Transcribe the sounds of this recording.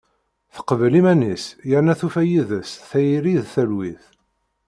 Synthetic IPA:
θə̥qːəvəlimænisjəɾnæθufæjiðəsθæjɾiðθælwiθ

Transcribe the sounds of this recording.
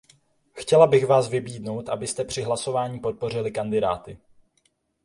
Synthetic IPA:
xcɛlabɪxvaːsvɪbiːdno̞wt̪ʔabɪst̪ɛpr̝̥ɪɦlaso̞vaːɲiːpo̞t̪̚po̞r̝ɪlɪkandɪda̰ːt̪ɪ

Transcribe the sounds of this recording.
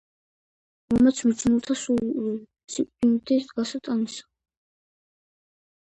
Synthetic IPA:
mɔmɛt̪sʰmit͡ʃʰnulˠt̪ʰasuu | sikʼdint̪ʰid̪ɡasat̪ʼanisḁ

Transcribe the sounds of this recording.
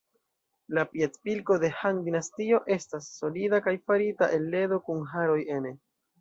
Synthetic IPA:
lapietpilko̞de̞handinastio̞ʔe̞stasːo̞lidakajfaɾita̰ʔe̞lːe̞do̞kunɦaɾo̞je̞ne̞

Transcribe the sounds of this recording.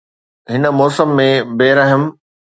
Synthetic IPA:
ɦɪnə̆mɔːsəmːẽbeːɾɐɦəm

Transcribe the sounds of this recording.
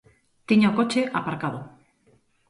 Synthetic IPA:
t̪iɲaokot͡ʃeʔapaɾkaðo

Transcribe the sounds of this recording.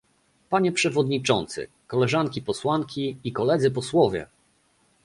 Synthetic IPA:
paɲɛpʂɛvɔd̪ɲit͡ʂɔnt̪sɘ̰ | kɔlɛʐaŋkʲipɔswaŋkʲiːkɔlɛd̪zɘp̬ɔswɔvʲjɛ̰

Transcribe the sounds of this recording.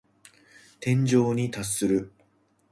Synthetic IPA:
t̪ẽ̞ɲ̟d͡ʑo̞ːɲ̟it̪asːɨɾɯ̟

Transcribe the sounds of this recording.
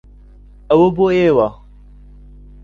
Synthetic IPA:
awoboeːwa

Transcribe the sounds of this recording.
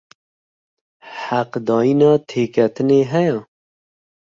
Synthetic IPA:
ħæqd̪ɑːjinɑːt̪ʰeːkʰɛt̪ɨneːɦɛjɛ

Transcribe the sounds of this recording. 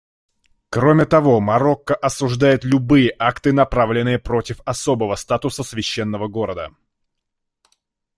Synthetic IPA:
kɾo̞mʲɪt̪ɐvo̞mɐɾo̞kːəʔɐsʊʐd̪ajɪt̪lʲʊbɨjəʔakt̪ɨnɐpɾavlʲɪnɨjəpɾo̞tʲɪfɐso̞bəvəst̪at̪ʊsəsvʲɪɕːen̪ːəvəɡo̞ɾəd̪ə̰

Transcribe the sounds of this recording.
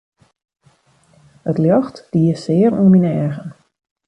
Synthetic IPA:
ətljɔxtd̥iəsɪːərṵminɛːɣən

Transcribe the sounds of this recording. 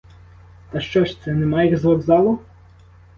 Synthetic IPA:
t̪ɐʃt͡ʃɔʃt̪sɛnɛmɑjiɣzlˠɐɡzɑlˠʊ

